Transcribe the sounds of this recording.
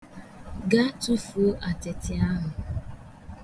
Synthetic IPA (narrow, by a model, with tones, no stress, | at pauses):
ɡa˦tu˦fo˨˦ʔa˨te˨tɪ˨a˦ɦʊ˨